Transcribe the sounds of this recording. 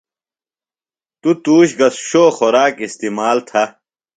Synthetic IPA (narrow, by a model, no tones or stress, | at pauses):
t̪ut̪uːɕɡɐsɕoːxoɾaːkist̪iːmaːlt̪ʰɐ